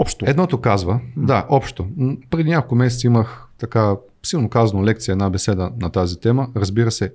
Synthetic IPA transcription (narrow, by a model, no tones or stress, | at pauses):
ɔpʃt̪oɛd̪nɔt̪okazvəd̪aʔɔpʃt̪opɾɛd̪iɲʲakolˠkʊmɛsɛt̪siimɐxt̪ɐka | silˠnokazɐnolɛk̚t̪sijɛd̪nabɛsɛd̪ənɐt̪azit̪ɛməɾɐzbiɾɐsɛ